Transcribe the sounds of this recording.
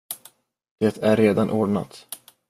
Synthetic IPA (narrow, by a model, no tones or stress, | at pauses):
d̪̥et̪ʰæɾːeːd̪anʔoːɖɳa̰t̪